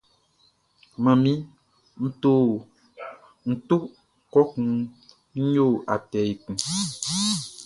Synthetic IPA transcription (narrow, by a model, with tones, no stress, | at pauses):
mã˨mĩ˦ | n̩˦to˦ | n̩˦tu˦ | kɔ˦kũ˦ | ɲ̩˦ɲo˦˨ʔa˨tɛ˨i˨kũ˨